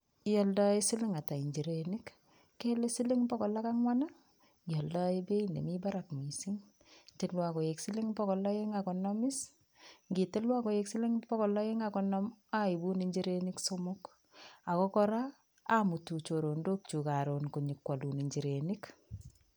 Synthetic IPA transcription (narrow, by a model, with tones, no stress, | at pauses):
jɔ˨ldɔ˦e˦si˦lɪ˦ŋa˨ta˨i˨ɲd͡ʒi˨ɾe˨ni˦kː | e˦le˦si˦li˦ŋpɔ˦kɔ˨la˦ka˦ŋwa˦na˦ | ɡjɔ˨ldɔ˦e˦be˦i˦nḛ˨mi˦ba˦ɾa˨kmi˨si˦ŋ | te˨lwa˨ko˨je˨ksi˦lɪ˦ŋpɔ˦kɔ˨lɔ˦ji˦ŋa˨kɔ˨nɔ˦mɪ˦s | ŋɡi˨tɪ˦lwa˦ko˨je˨ksi˦li˦ŋpɔ˦kɔ˨lɔ˦i˦ŋakɔ˨nɔ˦ma˦i˨bu˦ni˨ɲd͡ʒi˦ɾe˦ni˦kso˦mʊ˦k | a˨kɔ˦kɔ˦ɾaː˦ | mu˨tu˨t͡ʃo˨ɾo˨ndo˦k̚t͡ʃu˨ka˨ɾo˨nku˨ɲi˨kwa˨lu˨ni˨ɲd͡ʒi˨ɾe˨nik